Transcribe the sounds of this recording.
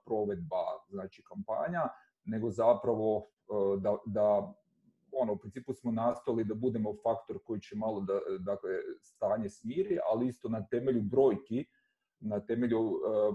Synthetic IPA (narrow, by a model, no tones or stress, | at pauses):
pɾo̞ʋed̪̚baznaːt͡ʃikampa̰ːɲa | ne̞ɡo̞zapɾaʋo̞ | d̪ad̪a | o̞noupɾint̪siːpusmo̞nast̪ojelid̪abud̪e̞mo̞fakt̪o̞ɾko̞jit͡ɕe̞malˠo̞d̪ad̪akle̞st̪aːɲesmjiːɾiʔa̰liist̪o̞nat̪e̞me̞ʎubɾo̞ːjki | nat̪e̞me̞ʎu